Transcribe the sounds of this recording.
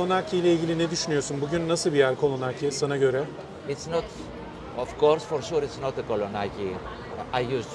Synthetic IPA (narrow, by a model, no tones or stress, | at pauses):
onacʰijlʲɛilʲɡɟilʲinɛd̪yʃynyjo̞ɾsunbuɟynːasɯlˠbijæɾkʰo̞lˠonacʰisanaɟø̞ɾɛ | ɪtsnɔt | ɔfkɔɾsfɔɾʃuɾitsnɔt̪̚ðəkolonaki | ajjus